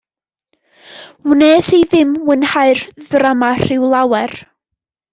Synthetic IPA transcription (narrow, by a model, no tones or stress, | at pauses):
wneːsiðɪmwənhaɨrðramar̥ɪwlˠawɛr